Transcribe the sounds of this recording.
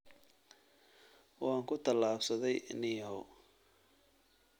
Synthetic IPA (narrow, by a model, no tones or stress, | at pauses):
wɑːŋkʰʊt̪ʰɐlːaːbsɐðɛjnɪjɦɔ